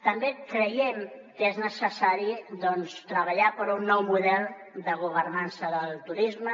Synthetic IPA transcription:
t̪əmbekɾəjɛmkeznəsəsaɾiðɔnst̪ɾəβəʎapəɾunːɔwmuðɛlˠ | d̪əɣ̞uβ̞ərnansəðəlˠt̪uɾizmə

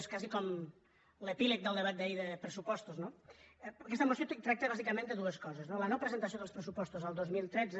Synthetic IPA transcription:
skazikɔm | ləpilək̚d̪əlˠd̪əβ̞at̪̚d̪aiðəpɾəsupɔst̪uzno | kɛst̪əmusiot̪t̪ɾak̚t̪əβazikəmẽnd̪əðuəskɔzəznolənopɾəzənt̪ɐs̬joðəlˠspɾəs̬upɔst̪uzəlˠd̪ozmilˠt̪ɾɛd͡zə

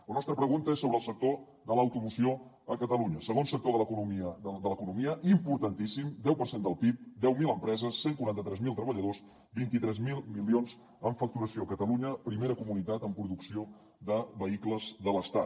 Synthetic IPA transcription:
lənɔst̪ɾəpɾəɣunt̪əesːoβɾəːlˠsək̚t̪o | ðələwt̪umusio | əkət̪əluɲəsəɣ̞onsək̚t̪oðələkunumiəd̪ələkunumiəʔimpuɾt̪ənt̪isimd̪ɛwpəɾsend̪əlˠpip̚d̪ɛwmilˠəmpɾɛzəsːeŋkuɾant̪ət̪ɾɛzmilˠt̪ɾəβəʎəðoz | bint̪it̪ɾɛzmilˠmilionz | əɱfək̚t̪uɾəsioəkət̪əluɲəpɾimeɾəkumunit̪at̪əmpɾuðuksio | ðəβəikləzðələst̪at̪

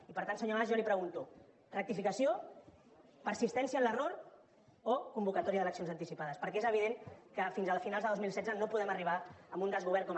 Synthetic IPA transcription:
ipəɾt̪ansəɲolazʒanipɾəɣunt̪u | rək̚t̪ifikəsio | pəɾsist̪ɛnsiənləroɾ | okumbukət̪ɔɾiəðələksionzənt̪isipaðəspəɾkɛezəβiðeŋkəfinzəlˠfinalˠzðəðozmilˠsɛd͡zzənopuðɛməriβ̞aəmbund̪əzɣuβɛɾkɔm

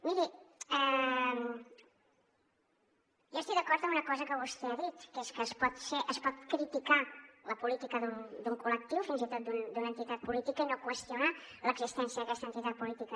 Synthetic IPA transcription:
miɾiɛm | ʒowst̪ik̚d̪əkɔɾt̪ə̃mbunəkɔzəkəβust̪eəðit̪keskəːspɔt̪seʔəspɔt̪̚kɾit̪ikaləpulit̪ikəðund̪uŋkulək̚t̪iwfinzit̪ot̪̚d̪und̪unəːnt̪it̪at̪̚pulit̪ikəinokwəst̪juna | ləɡzist̪ɛnsjəðəkɛst̪ənt̪it̪at̪̚pulit̪ikə

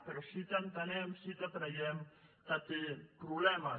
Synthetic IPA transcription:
t̪ɐɾɐsit̪ɐnt̪ɐneːmsit̪ɐt̪nɐjemt̪ɐt̪ipɾuleːma

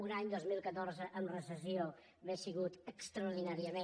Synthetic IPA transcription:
unaɲd̪ozmilˠkət̪oɾzəʔəmrəsəsio | βesiɣut̪əkst̪ɾəuɾðinaɾiəme

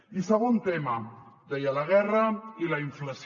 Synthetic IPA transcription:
isəɣ̞ont̪emad̪ɛjalaɣ̞ɛrɐilaiɱflɐs

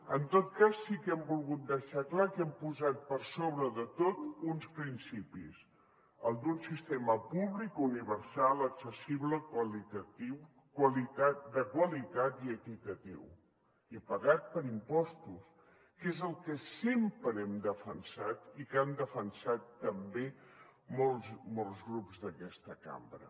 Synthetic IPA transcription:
ənt̪ot̪kasːikɛmbulˠɣut̪̚d̪əʃaklakɛmpuzat̪̚pəɾsoβɾəðət̪ot̪unspɾinsipḭs | əlˠd̪unsist̪eməpuβlikuniβəɾsalˠəksəsiβləkwəlit̪ət̪iw | kwəlit̪at̪d̪əkwəlit̪at̪iəkit̪ət̪ḭw | ipəɣat̪̚pəɾimpɔst̪us | kezəlˠkəsempɾəɛmd̪əfənsat̪ikand̪əfənsat̪ːəmbemolˠzmolˠzɣɾupzðəkɛst̪əka̰mbɾə̰

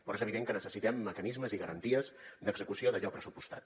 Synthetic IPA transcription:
pɾezəβiðeŋkənəsəsit̪ɛmːəkənizməziɣəɾənt̪iəzd̪əɡzəkusioðəʎɔpɾəsupust̪a̰t̪̚

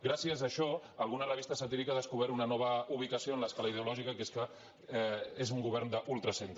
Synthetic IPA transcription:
ɡɾasiəzəʃɔ | əlɣunərəβ̞ist̪əsat̪iɾikaðəskuβɛɾunənɔβ̞əuβ̞ikəsioənləskaləiðeulɔʒikəkeskə | ezuŋɡuβ̞ɛɾnd̪əʔulˠt̪ɾəsent̪

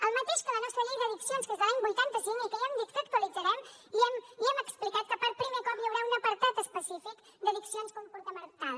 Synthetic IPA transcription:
əlˠmət̪eʃkələnɔst̪ɾəʎiɣəðiksionskezəlaɲbujt̪ant̪əsiŋikəɛmd̪ikt̪at̪kolizəɾɛmiɛmiɛməksplikat̪̚kəpəɾpɾimekɔpʎəwɾaunəpəɾt̪at̪əspəsifik | d̪əðiksionskompuɾt̪əmənt̪al

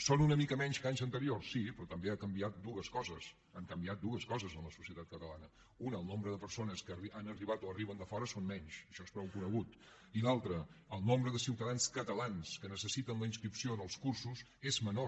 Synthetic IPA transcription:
sonunəmikəmɛɲskaɲzənt̪əɾiorsːipɾɔt̪əmbeakəmbiat̪̚d̪uəskɔzəs | əŋkəmbiat̪̚d̪uəskɔzəzənləsu̥siət̪at̪̚kət̪əlanə | unəːlˠnombɾəðəpəɾsonəskianəriβat̪oəriβənd̪əfɔɾəsonmɛɲʃəʃɔespɾɔwkunəɣ̞ut̪ | ilalˠt̪ɾəːlˠnombɾəðəsiwt̪əðanskət̪əlanskənəsəsit̪ənləinskɾipsionəlˠskuɾsuz | ezməno

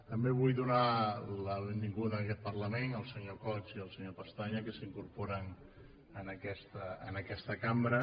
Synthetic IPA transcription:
t̪əmbeβ̞ujðunaləβembiŋɡuðəːkɛt̪̚pərləmenəlˠsəɲokɔt͡siəlˠsəɲopəst̪aɲəkəsiŋkuɾpoɾən | ənəkɛst̪əənəkɛst̪əkambɾə

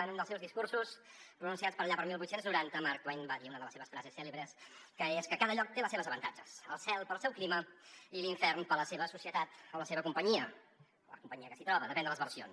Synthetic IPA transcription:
nund̪əlˠsɛwzðiskursuspɾunũnsiat̪spəɾʎapəɾmilˠβut̪senznuɾant̪əmaɾk̚t̪ajɲbaðiunəðələseβəsfɾazesːɛleβɾəskəeskəkaðəʎɔk̚t̪eləseβəzəβənt̪ad͡ʒəsə̰lˠsɛlˠpəlˠsɛwkliməiliɱfɛrnpələseβəsusiət̪at̪oləseβəkumpəɲiə | ɔlə̰kumpəɲiəkə̥sit̪ɾɔβəðəpɛnd̪ələzβərsio̰ns

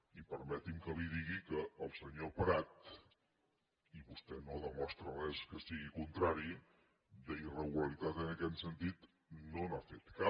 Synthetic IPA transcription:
ipəɾmɛt̪imkəliðiɣikəːlˠsəɲopɾat̪ | iβust̪ɛnoðəmɔst̪ɾərɛskəsiɣikunt̪ɾaɾi | d̪əirəɣuləɾit̪at̪ənəkɛt̪sənt̪it̪ | nonafet̪ka

